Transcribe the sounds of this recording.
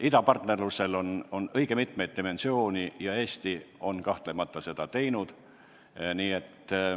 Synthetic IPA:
id̪ɑpɑrt̪ne̞rluse̞lo̞no̞nɤ̞jɡ̥emit̪ˑme̞jd̪̚t̪ime̞nsio̞ːnʲijɑe̞ːst̪io̞nkɑht̪lemɑt̪ˑːɑse̞d̪̥ɑt̪e̞jnud̪̥ | niːe̞t̪ːˑ

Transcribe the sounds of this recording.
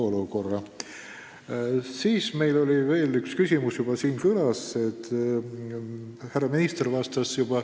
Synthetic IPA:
oluko̞rːɑ | siːsme̞jlo̞lʲive̞ːlykskysʲimusjub̥ɑsiːnkylɑse̞t̪ː | hærɑminist̪ervɑst̪ɑsjub̥ɑ

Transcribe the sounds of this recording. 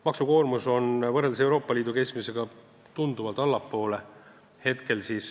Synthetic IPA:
mɑksuko̞ːrmuso̞nvɤrːelis̬ewɾo̞ːpˑːɑliːd̪uke̞smise̞ɡ̥ɑ | t̪und̪̥uvɑlt̪ˑɑlːɑpːo̞ːle | he̞t̪ke̞lsiːs

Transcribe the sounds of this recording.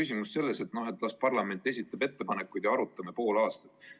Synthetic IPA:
ysʲimusse̞lːese̞t̪no̞ɦe̞t̪ːˑlɑspɑrlɑme̞nt̪ːˑe̞sʲit̪ːˑɑb̥e̞t̪ːe̞pɑnekːˑujd̪jɑɑɾut̪ːˑɑme̞po̞ːlɑːst̪ɑ̥t̪ːˑ

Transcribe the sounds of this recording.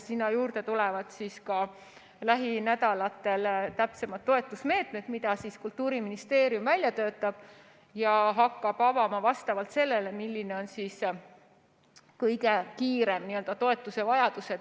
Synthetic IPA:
sinːɑjuːɾd̪e̞t̪ulevɑd̪̥siːskɑ | læɦinæd̪ɑlɑt̪ːˑe̞lt̪æpse̞mɑt̪ːo̞e̞t̪ːˑusme̞ːt̪me̞t̪mid̪ɑsiskult̪ːˑuːɾiminist̪e̞ːɾjumvælʲjɑt̪øːt̪ːˑɑb̥ | jɑɦɑkːɑb̥ɑvɑmɑvɑst̪ɑvɑlt̪se̞lːe̞lemilʲːineo̞nsis | kɤjɡe̞kiːɾe̞mniːø̞ld̪ɑt̪o̞e̞t̪ːˑuse̞vɑjɑd̪̥use̞d̪

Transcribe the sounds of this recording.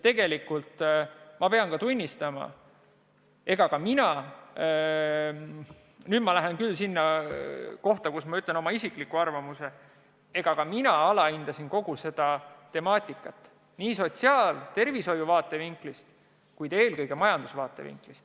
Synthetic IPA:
t̪e̞ɡ̥e̞likːult̪mɑpe̞ɑnkɑt̪unʲːist̪ɑmɑ̰ | e̞ɡ̥ɑkɑminɑ | nyːd̥̪mɑlæɦenkylːsinːɑ | ko̞ht̪ɑkusmɑyt̪le̞no̞mɑisikˑlikːˑuɑrvɑmuse̞ | e̞ɡ̥ɑkɑminɑɑlɑind̪ɑsinko̞ɡ̥use̞d̪̥ɑt̪e̞mɑːt̪ʲˑikːˑɑt̪ːˑ | niːso̞t̪siɑːlt̪e̞rviso̞juvɑːt̪ːˑe̞viŋklist̪ | kujd̪̥e̞ːlkɤjɡ̥e̞mɑjɑnd̪̥usvɑːt̪ːˑe̞̰vḭŋklist̪

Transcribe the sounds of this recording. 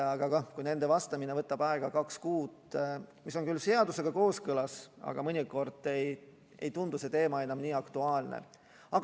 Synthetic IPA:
ɑɡ̥ɑkɑkujne̞nd̪̥e̞vɑst̪ɑminevɤt̪ːˑɑb̥ɑeɡ̥ɑkɑkskuːd̪miso̞nkylse̞ɑd̪̥use̞ɡ̥ɑko̞ːskɤlɑsɑ̰ɡ̥ɑmɤnʲiko̞rd̪̥ej | ḛjt̪und̪use̞t̪e̞ːmɑe̞nɑmniːɑkt̪uɑːlnḛ | ɑɡ

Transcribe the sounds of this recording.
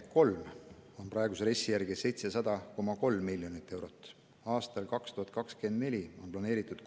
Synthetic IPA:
ko̞lmo̞nprɑeɡ̥useɾe̞sːijærɡ̥ise̞jt̪se̞sɑd̪̥ɑko̞mɑko̞lmːilʲjo̞nit̪ːˑe̞wɾo̞t̪ːˑ | ɑːst̪ɑlkɑkst̪uhɑt̪̚ˑkɑkske̞nd̪̚ne̞lʲio̞nplɑne̞ːɾit̪ːˑud̪

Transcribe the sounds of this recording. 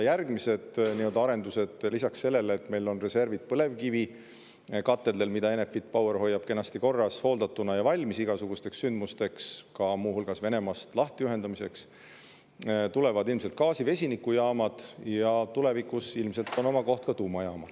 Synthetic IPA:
jærɡmise̞d̪̥niøld̪ɑɑɾe̞nd̪use̞d̪̥lisɑksːe̞lːe̞lːt̪ːme̞jlo̞nre̞se̞rvid̪̥̚pɤle̞vkivi | kɑt̪ːˑe̞d̪elmid̪ɑe̞nefːit̪̚ːˑpɑweɾɦo̞jːɑb̥ke̞nɑst̪iko̞rːɑsho̞ːld̪ɑt̪ːˑunɑjɑvɑlʲmisiɡ̥ɑsuɡ̥ust̪e̞ksːynd̪̚must̪e̞kskɑmuːhulɡ̥ɑsve̞ne̞mɑst̪lɑht̪ejuyɦe̞nd̪ɑmise̞ks | t̪ule̞vɑd̪ilmse̞lt̪̚kɑːsive̞sʲinikːˑujɑːmɑd̪̥jɑt̪ule̞vikusilmse̞lt̪ːo̞no̞mɑko̞ht̪̚kɑt̪uːmɑjɑːmɑl

